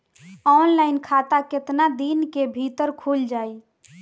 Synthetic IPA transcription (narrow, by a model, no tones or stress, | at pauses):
ɔnlajnkʰat̪aket̪nad̪inkebʱit̪əɾkʰuld͡ʒaj